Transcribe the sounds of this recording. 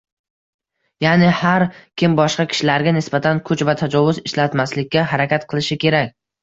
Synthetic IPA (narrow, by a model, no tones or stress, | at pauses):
janɪhaɾkʲʰɪmbɒʃqɑkʲʰɪ̥ʃɪlaɾɡʲanɪsbat̪ʰankʰʊt͡ʃvat̪ʰad͡ʒɒvʊzɪʃlat̪maslɪkʲːaɦaɾakʲat̪qʰɨlˠɪʃɪkʲʰe̞ɾakʲ